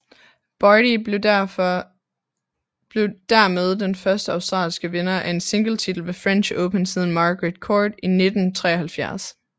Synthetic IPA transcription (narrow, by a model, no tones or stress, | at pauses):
b̥ɑːɾi | b̥le̝ʊd̥æɐmeð̞ˠd̥enfɶɐsd̥əɑ̈ʊsd̥ʁɑ̰̈ːlsɡ̥əʋenɐʔæe̝nse̝ŋɡ̥l̩t͡sʰid̥l̩ʋe̝fʁɛnɕoʊpʰənsið̞ˠn̩mɑ̈ːɡ̥ʁed̥kʰɒːd̥ine̝d̥n̩t͡sʰʁɛ̰ːɐhælfjæɐ̰s